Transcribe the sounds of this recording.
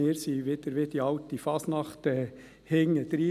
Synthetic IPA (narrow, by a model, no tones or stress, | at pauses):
eːɾsiːʋɪd̪̥əɾʋɪd̪̥iɑʊt̪difɑːsnɑχt̪ɛ | hɪŋːəd̪ɾiː